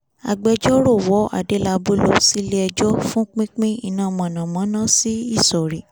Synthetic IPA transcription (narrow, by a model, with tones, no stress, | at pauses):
a̰˨ɡ͡bɛ˧d͡ʒɔ˦ɾo˦˨wɔ˨˦a̰˦˨de˨˦la˧bu˦lo˧si˦le˦ɛ˧d͡ʒɔ˦fũ˦k͡pĩ˦k͡pĩ˦ḭ˧˨nãː˦˨mã˨nã˨mã˨˦nã˦si˦i˦˨sɔ˨ɾi˨